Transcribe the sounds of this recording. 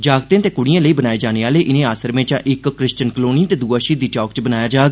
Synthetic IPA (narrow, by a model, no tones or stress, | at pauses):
d͡ʒaːɡt̪ẽːt̪eːkʊɽɪjãːləiːbənaːeːd͡ʒaːneːaːleːʔɪnẽːaːsəɾmẽːt͡ʃãːʔɪkːɾɪst͡ʃənkəloːnĩːt̪eːd̪uːaːʃiːd̪iːʈɔːkt͡ʃbənaːjaːd͡ʒaːɡ